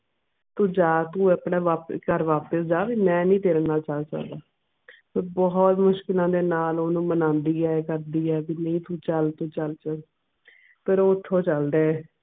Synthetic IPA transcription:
t̪ũːd͡ʒaːt̪ũːəpɳeːʋaːpkəɾʋaːpəsd͡ʒaːʋiːmɛ̃ːnĩːt̪eːɾnaːt͡ʃəlt͡ʃa̰ːd̪aː | pəɾbɔːt̪mʊʃkɪlãːd̪eːnaːloːnũːmənãːnd̪iːɛːkəɾd̪iːɛːbiːnəĩːt̪ũːt͡ʃəlt̪ũːt͡ʃəlt͡ʃəl | pʰɪɾoːʊt̪ʰːõːt͡ʃəld̪eːɛː

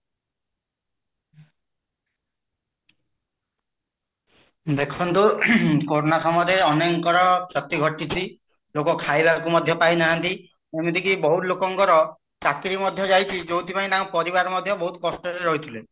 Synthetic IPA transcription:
d̪ekʰɔnt̪ukoɾonasɔmɔɾeɔneŋkɔɾɔt͡ʃɔt̪iɡʱɔʈːit͡ʃʰi | lokɔkʰajbakumɔd̪ʱjɔpajnaɦant̪i | emut̪ʰikibɔɦut̪lokɔŋkɔɾɔ | t͡ʃakɾimɔd̪ʱjɔd͡ʒajt͡ʃʰid͡ʒowt̪ʰipaĩnaũpɔɾibaɾɔmɔd̪ʱjɔbɔɦut̪ɔ̥kɔsʈɔɾeɾɔɦjt̪ʰile

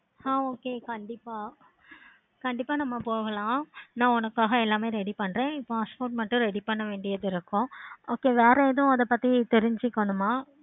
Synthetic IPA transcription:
aːoːkeːkɐɳɖɪpːaː | kɐɳɖɪpːaːnɐmːɐpoːɣɐlãːnãːʊnɐkːaːɣɐɛlːaːmeːɾɛɽipɐɳːɾẽːɪpːoãɐspoːʈ̚mɐʈːʊ̃ɾɛɽipɐɳːɐʋeːɳɖɪjɐðɪɾɯkːʊ̃oːkeːʋeːɾɐɛðʊ̃ɐðɐpːɐt̪ːit̪ɛɾɪɲd͡ʒɪkːɐɳɯmaː

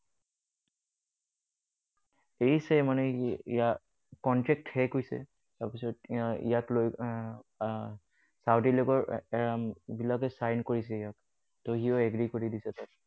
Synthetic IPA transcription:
eisɛmanɛḭja | kɔntɹɛk̚thɛkojsɛ̰ | taɹpisɔtḭjakloj | sawtilokɔɹɛɹambilakɛsajnkoɹis̬ɛijak | toɦiɔɛɡɹikoɹidisɛta

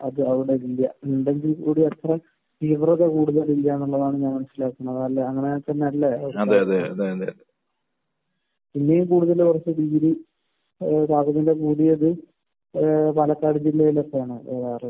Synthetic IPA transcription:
ɐðɨɐʋiɽeilːɐuɳɖe̞ŋɡilkuːɽiɐt̪rɐ | tiʋrɐðɐkuːɽuðɐlilːɐenːuɭːɐðaːɳɨɲaːnmɐnuɕilaːkːunːɐðɐlːɐɐŋːɐnet̪ɐnːeɐlːɐɐɐðeɐðeɐðeɐðeɐðe | pinːejumkuːɽuðɐlkurɐt͡ɕːɨd̪iːɾi | taːɡɐnːildek̬uːɽijɐðɨ | pɐlɐkːaːɽid͡ʑilːɐilːɐpːɐjaːɳɨeːðaːrɨ

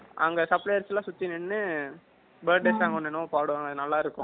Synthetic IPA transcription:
ʔɐ̰ŋɡɐsɐpːɭɐjɐɾsɛlãːsʊt̪ːinɛɳːɯ | bɐːɖesaːŋɡɐɔnːɛnʊ̃paːɽʊ̃ɐŋɡɐnɐlːaːɪɾɯkːʊ̰̃

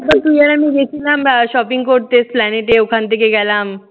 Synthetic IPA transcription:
bəɾt̪ujalamiːɡekʰilamɕɔpiŋɡkoɾʈ̚t̪et͡splæneʈeukʰant̪ekeɡɛlam

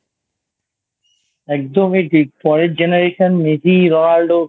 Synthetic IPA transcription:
ɛk̚d̪omeʈipɔɾeʈ̚d͡ʑenaɾeʃonmesiɾonaɾɖo

